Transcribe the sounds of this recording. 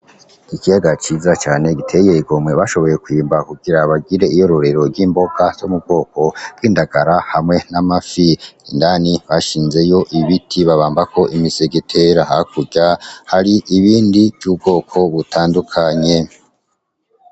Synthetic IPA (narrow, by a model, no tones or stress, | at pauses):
ikijaɡat͡ʃiːzat͡ʃaːne̞ɡitʰe̞je̞iɡo̞mwe̞βaʃo̞βo̞je̞kwiːmbakuɡiɾaβaɡiɾe̞ijo̞ɾo̞ɾe̞ɾo̞ɾɡiːmbo̞ɡ̥az̥omub̚ɡo̞ːko̞ɾɡiːndaɡaɾahamŋe̞namafiindaniβaʃiːnze̞joʔiβitʰiβaβaːmbakʰo̞ʔimizeɡitʰe̞ɾahakuɟahaɾiʔiβiːndivjuːb̚ɡo̞ːkʰo̞βutʰaːndukʰaɲe̞